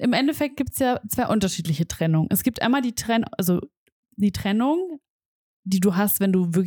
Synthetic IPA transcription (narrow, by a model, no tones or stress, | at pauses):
ʔɪmʔɛndɛfɛk̚t̚ɡiːp̚tsjaːt͡sv̥aɪʔʊntɐʃiːtlɪçətʁ̥ɛnʊŋənʔɛsɡ̥iːptʔa̰ɪnmaːldiːtʁ̥ɛnʔalzo | d̥iːtʁ̥ɛnʊŋ | d̥iːduːɦastv̥ɛnduːvɪɐk